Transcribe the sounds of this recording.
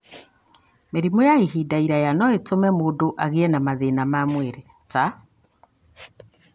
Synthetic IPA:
meɾimojaeɦidaiɾajanɔetomɛmoːdoʔaɣeɛnamaðenamamweɾe | ta

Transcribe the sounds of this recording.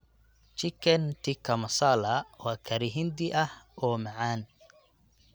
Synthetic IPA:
t͡ʃɪkʰɛnt̪ʰɪkʰɐmɐsaːlɐwɑːkʰɐɾɪɦɪnd̪ɪʔɐhɔːmɑʕaːn

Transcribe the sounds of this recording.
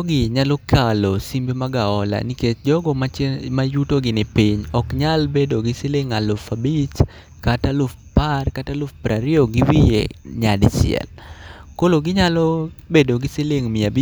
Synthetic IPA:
ɡɪɲalokʰalosimbemaɡaɔla̰niket͡ʃd͡ʒɔɡɔmamajutoɡɪnɪpiɲɔkɲalbedoɡɪseleŋalʊfabit͡ʃ | katalʊfparkatalʊfpɾaɾɪoɡɪwijḛɲadsɪ̰ɛ̰lkoloɡɪɲalɔbedoɡɪseleŋmɪabi

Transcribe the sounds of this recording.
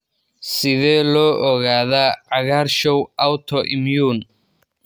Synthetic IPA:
sɪðɛːlɔːʔɔɣaːðaːʕɑɣaːɾʃɔwʔawt̪ʰɔʔɪmjuːn

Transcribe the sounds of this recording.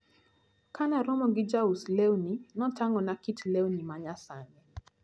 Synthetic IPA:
kanaɾɔmɔɡɪd͡ʒauslewninɔtaŋɔnakitlewnimaɲasaɲɛ

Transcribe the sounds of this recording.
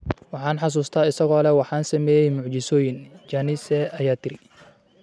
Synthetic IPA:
wɑħɑːnħɑs̬uːst̪ʰaːɪsɐɣɔːlɛwɑħɑːnsɐmɛːjɛjmʊʕt͡ʃɪsɔːjɪnd͡ʒaːnɪsɛɐjaːt̪ʰɪɾɪ

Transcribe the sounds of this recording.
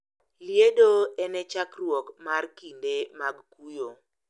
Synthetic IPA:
ljedoɛnɛt͡ʃakrwɔkmarkindemaɡkujo

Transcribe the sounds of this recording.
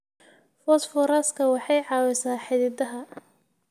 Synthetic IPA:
fɔt̪fɔɾaːskʰɐwɑħɑjʕɑːwɛsaːħɪðɪd̪ɐɦɐ

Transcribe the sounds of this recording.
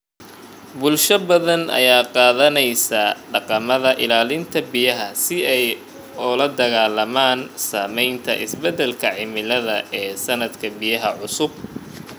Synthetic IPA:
bʊlʃɐbɐðɐnɐ̰jaːqɑːðɐnɛjsɐɖɑqɑmɐðɐʔɪlaːlɪnt̪ʰɐbijɐɦɐsɪɛj | ʊlɐd̪ɐɣaːlɐmaːnsaːmɛjnt̪ʰɐ̰ʔɪsbɛd̪ɛlkʰɐʕɪmɪlɐðɐʔɛːsɐnɐd̪kʰɐbijɐɦɐʕʊsʊb̚

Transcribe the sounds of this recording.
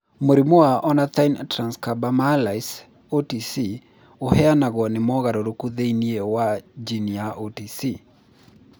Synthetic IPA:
moɾimoaʔɔnat̪ajntɾanskabamalajs | otisi | ohɛanaɣɔnɪmɔɣaɾoɾokuðeiniɛwad͡ʒiniaʔotisi

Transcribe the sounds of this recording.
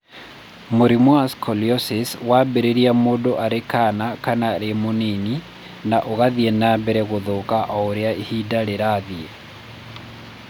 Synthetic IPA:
moɾimwaskʰɔljɔsiswaːbɛɾeɾiamoːdoʔaɾekanakanaɾemonini | naʔoɣaðiɛnaːbɛɾɛɣoðokaʔɔoɾeaihidaɾeɾaːðiɛ

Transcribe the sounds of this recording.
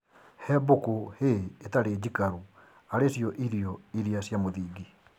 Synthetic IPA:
hɛbokoheːtaɾed͡ʑikaɾu | aɾesjɔʔiɾiɔiɾiasjamoðiːɡi

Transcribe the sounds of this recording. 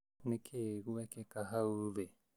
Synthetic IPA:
nekʰeɡuekekaɦaβe

